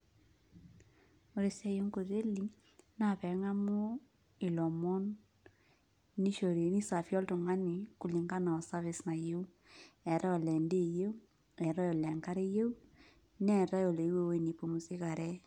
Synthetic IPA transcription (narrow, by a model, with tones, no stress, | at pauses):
o˨ɾe˨sa˦jo˦ŋko˨ðe˦li˨ | na˦˨pɛ˨˦ŋa˦mo˦ | i˨lɔ˨mɔ˦n | i˦ʃo˨ɾe˨ni˦sa˨fjɔ˦ltu˨ŋa˦ɲi˨ku˨li˨ŋɡa˦na˨ɔ˨sa˦βi˦sna˨je˦u˦ | ɛ˨ɾa˦ɔ˨lɛ˨nde˦je˦u˦ | ɛ˨ɾa˦jɔ˨lɛ˨ŋka˦ɾe˦je˦u˦ | nɛ˦˨ɾa˦jo˨le˨˦we˦we˦ni˨po˨mu˨si˦ka˨ɾɛ˦